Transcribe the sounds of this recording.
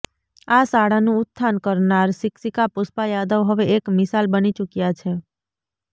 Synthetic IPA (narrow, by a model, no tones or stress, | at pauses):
asaɽanũʊt̪ʰːankəɾnaɾsɪksikapʊspajad̪əʋɦəʋeːkmɪsalbənit͡ʃukjat͡ʃʰe